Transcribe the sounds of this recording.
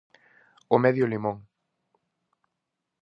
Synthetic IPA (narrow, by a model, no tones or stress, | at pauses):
omɛðjʊlimõŋ